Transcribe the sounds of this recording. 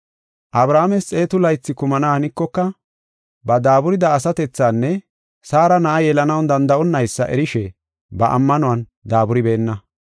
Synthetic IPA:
ʔɐbɾaːmɛst͡sʼe̞ːt̪ʊlɐjt͡sːɪkʊmɐnahɐnɪkːɔkːɐ | bɐd̪aːbʊɾɪd̪ɐːs̬ɐt̪ɛt͡sːaːnːɛ | saːɾɐnɐʔɐjɛlɐnɐwnd̪ɐnd̪ɐʔɔnːɐjsːɐ̰ʔɛ̰ɾɪʃɛ | bɐʔɐ̰mːɐnʊwɐn | d̪aːbʊɾɪbe̞ːnːɐ

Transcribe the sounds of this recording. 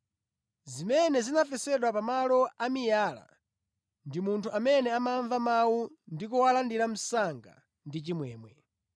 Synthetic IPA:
zimɛnɛzinafɛsɛɗwapamalɔamijaːla̰ | ndimuntʰuamɛnɛamaɱvamawundikuwalandiɾam̩saŋɡa̰ | ndit͡ʃimwɛːmwɛ

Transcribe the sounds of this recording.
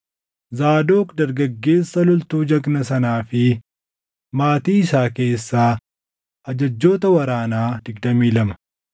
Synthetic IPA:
zaːd̪o̞ːkd̪ɐɾɡɐɡːe̞ːsːɐlʊlt̪uːd͡ʒɐɡnɐsɐnaːfɪ | maːt̪iːɪsaːke̞ːsːaː | ʔɐd͡ʒɐd͡ʒːo̞ːt̪ɐwɐɾaːnaːd̪ɪɡd̪ɐmiːlɐmɐ̥

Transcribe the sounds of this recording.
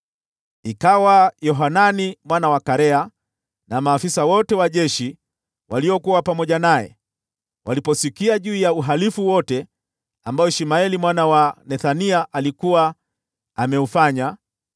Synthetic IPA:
ikawajɔɦananimwanawakaɾɛa | namaːfisawɔtɛwaʄɛʃi | waliɔkuwapamɔʄanajɛ̰ | wʔalipɔsikiaʄuːjauɦalifuwɔtɛ | ambajɔʃimaɛlimwanawanɛθaniaʔalikuwa | amɛufaɲa

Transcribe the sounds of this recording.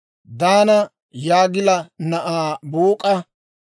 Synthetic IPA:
d̪aːnɐ | jaːɡɪlɐnɐʔaːbuːkʼɐ

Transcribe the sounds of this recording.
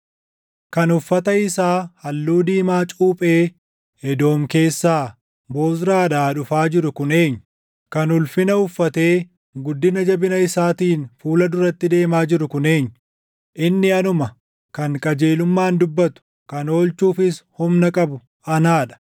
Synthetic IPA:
kɐnʊfːɐt̪ɐɪsaːhɐlːuːd̪iːmaːt͡ʃʼuːpʼe̞ː | ɛd̪o̞ːmke̞ːsːaː | bo̞ːsɾaːᶑaːᶑʊfaːd͡ʒɪɾʊkʊne̞ːɲːʊ | kɐnʊlfɪnɐʊfːɐt̪e̞ː | ɡʊd̪ːɪnɐd͡ʒɐbɪnɐɪsaːt̪iːnfuːlɐd̪ʊɾɐt̪ːɪd̪e̞ːmaːd͡ʒɪɾʊkʊneːɲːʊ | ʔɪnːɪɐnʊmɐ | kɐŋkʼɐd͡ʒeːlʊmːaːnd̪ʊbːɐt̪ʊ̥ | kɐno̞ːlt͡ʃuːfɪshʊmnɐkʼɐbʊ | ɐnaːᶑɐ̥

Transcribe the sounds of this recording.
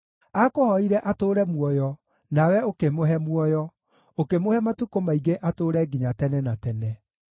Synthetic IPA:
akohɔiɾɛʔatoːɾɛmwɔjɔ | nawɛokemoɦɛmwɔjɔ | okemohɛmatukomaiɡeʔatoːɾɛɡiɲatɛnɛnatɛnɛ

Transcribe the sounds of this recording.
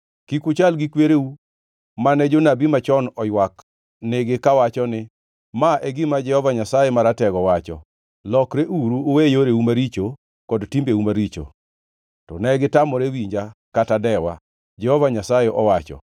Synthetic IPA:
kikʊt͡ʃalɡɪkweɾeu | manɛd͡ʒonabimat͡ʃɔnɔjwak | neɡekawat͡ʃɔnɪ | maʔɛɡɪmad͡ʒɛhɔvaɲasajemaɾatɛɡɔwat͡ʃɔ̰ | lɔkɾeʔuɾuowejoɾeumaɾit͡ʃo | kɔdtimbeumaɾit͡ʃo̰ | tɔ̰nɛɡɪtamɔɾewiɲd͡ʒakatadɛwa̰ | d͡ʒɛhɔvaɲasajeʔɔwat͡ʃɔ̰

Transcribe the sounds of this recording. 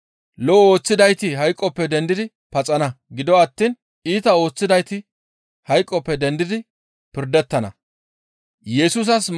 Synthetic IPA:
lɔɔo̞ːt͡sːɪd̪ɐjt̪ɪɦɐjkʼːɔpːɛd̪ɛnd̪ɪd̪ɪ | pɐt͡sʼɐnɐɡɪd̪ɔɐt̪ːiːn | iːt̪ɐo̞ːt͡sːɪd̪ɐjt̪ɪ | hɐjkʼːɔpːɛd̪ɛnd̪ɪd̪ɪ | pɪɾd̪ɛt̪ːɐnɐ̰ | jɛsus̬ɐs

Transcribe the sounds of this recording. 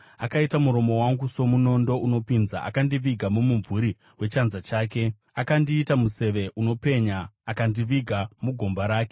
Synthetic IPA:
akaitamuɾo̞mo̞waŋɡuso̞muno̞ndo̞ʔuno̞pinza̰ʔa̰kandiʋiɡʱamomuɱvuɾi | we̞t͡ʃanzat͡ʃaːke̞ | akandiːtamuse̞ʋe̞ʔuno̞pe̞ɲaːkandiʋiɡʱamuɡʱo̞mbaɾaːke

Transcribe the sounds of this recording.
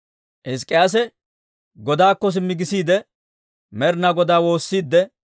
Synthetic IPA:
ʔɪs̬kʼːɪjas̬ɛ | ɡɔd̪aːkːɔs̬ɪmːɪɡɪsiːd̪ɛ | mɛɾnɐɡɔd̪aːwo̞ːsːiːd̪ːɛ

